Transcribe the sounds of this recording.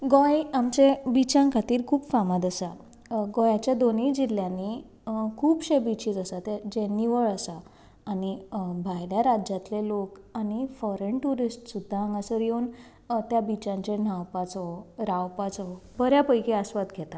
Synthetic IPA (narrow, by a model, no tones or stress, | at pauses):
ɡɔ̃jamt͡ɕebit͡ɕãŋkʰat̪iːɾkʰuːbfamat̪əsa | ɡɔjat͡ɕjad̪onid͡ʑil̤ːjãni | kʰuːbɕebit͡ɕiːt͡səsat̪ed͡ʑenːiʋəɭəsaː | nibʱajljaɾad͡ʑat̪lelokañifɔɾənʈuɾisʈsud̪ʱːaãŋɡãsəɾjewn | t̪jabit͡ɕãɲt͡ɕen̤awpat͡sɔɾawpat͡sɔbəɾjapəjkiasʋat̪ɡʱɛt̪a